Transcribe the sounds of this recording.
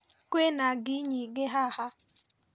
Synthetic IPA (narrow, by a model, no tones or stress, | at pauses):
kʷenaɡɪɲiɡɪɦaha